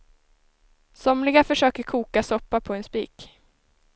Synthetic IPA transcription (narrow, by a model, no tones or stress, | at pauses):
sɔmlɪɡafœʂøːkəɾkʰuːkasɔpːapʰɔɛnspḭːk